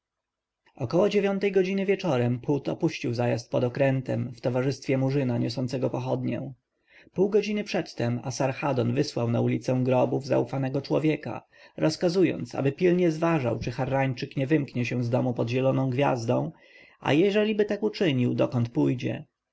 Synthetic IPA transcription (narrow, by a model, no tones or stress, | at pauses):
ɔkɔwɔd͡ʑevʲjɔnt̪ɛjɡɔd͡ʑinɘvʲjɛt͡ʂɔɾɛmput̪ɔ̰puɕt͡ɕiwzajast̪̚pɔd̪ɔkɾɛnt̪ɛmft̪ɔvaʐɘst̪fʲjɛmuʐɘnaɲɔsɔnt̪sɛɡɔpɔxɔd̪ɲɛ̰̃ | puwɡɔd͡ʑinɘpʂɛt̪ːɛmasaɾxad̪ɔnvɘswawnaulʲit̪sɛw̃ɡɾɔbuvza̰ufanɛɡɔt͡ʂwɔvʲjɛka̰ | ɾʔɔskazujɔ̰nt̪sa̰bɘpʲilɲɛzvaʐa̰wt͡ʂɘxaɾːaɲt͡ʂɘkɲɛvɘmkɲɛɕɛw̃zd̪ɔmupɔd̪ʑɛlɔnɔ̃w̃ɡvʲja̰zd̪ɔ̰̃w̃ | a̰jɛʐɛlʲibɘt̪akut͡ʂɘɲiwd̪ɔkɔnt̪pujd͡ʑɛ̰